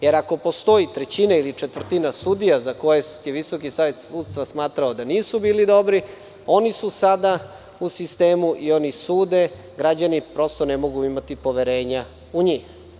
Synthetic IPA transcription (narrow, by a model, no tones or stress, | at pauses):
je̞ɾako̞po̞st̪o̞it̪ɾet͡ɕinailit͡ʂet̪vr̩t̪inasud̪ijazako̞jejeʋiso̞kisaːʋe̞t̪suːd̪st̪ʋasmaːt̪ɾaod̪aniːsubiːlid̪o̞bɾi | o̞nisusad̪a | usist̪e̞ːmuʔio̞nisuːd̪e̞ | ɡɾad͡ʑanipɾo̞st̪o̞nemo̞ɡuimat̪ipo̞ʋeɾe̞ːɲa | uɲiːx